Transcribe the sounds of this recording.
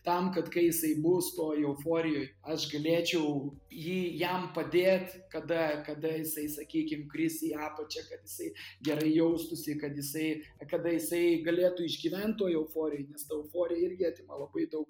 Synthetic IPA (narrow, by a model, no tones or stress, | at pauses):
t̪ɐmkɐt̪kɐɪjɪsɐɪbʊst̪oːjɛʊfoːɾʲɪjoːjɐʃɡɐlʲeːt͡ʃʲɛʊjiːjɛmpɐd̪ʲeːt̪ʲkɐd̪ɐkɐd̪ɐjɪsɐɪsɐkʲiːkʲɪmkrʲɪsʲiɑːpɐt͡ʃʲɛkɐt̪jɪsɐɪɡʲɛɾɐɪjɛʊst̪ʊsʲɪkɐt̪jɪsɐɪkɐd̪ɐjɪsɐɪɡɐlʲeːt̪uɪʒʲɡʲiːʋʲɛnt̪̚t̪ːoɔjɛʊfoːɾʲɪjoːɪnʲɛst̪ɐɛʊfoːɾʲɪjɛɪrʲɡʲɪɑːt̪ʲɪmɐlˠɐbɐɪd̪ɐʊk